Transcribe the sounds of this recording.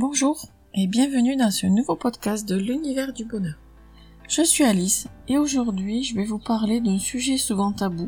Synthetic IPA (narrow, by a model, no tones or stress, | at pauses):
bɔ̃ʒuːʁ | ebjɛ̃vənyd̪ɑ̃sənuvopɔd̪kast̪̚d̪əlynivɛʁd̪ybɔnœːʁ | ʒ̥əsɥialiseoʒuʁd̪ɥiʒəvɛvupaʁled̪ɛ̃syʒɛsuvɑ̃t̪abu